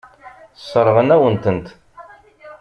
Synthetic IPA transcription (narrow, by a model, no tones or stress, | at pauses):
sˤːəɾˤʁənæwənt̪ənt̪